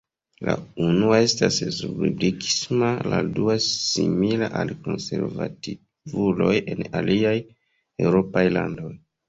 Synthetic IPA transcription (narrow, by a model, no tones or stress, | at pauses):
launuae̞staszubiblikʰi̥smaladuasimilaʔalko̞nse̞ɾva̰ti | vulo̞je̞naliaj | e̞wɾo̞pajlando̞j